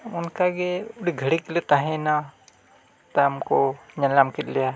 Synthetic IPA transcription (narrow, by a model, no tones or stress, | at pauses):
unkaɡeuɽiɡʱəɽiklit̪aɦẽna | t̪amkoɲənlamkit̪̚lija